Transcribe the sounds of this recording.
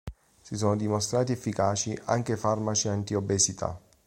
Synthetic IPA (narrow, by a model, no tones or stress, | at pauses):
sisoːnod̪imost̪ɾaːt̪iɛfːikaːt͡ʃiʔa̰ŋk̟efarmat͡ʃiant̪iobːesit̪ʰa̰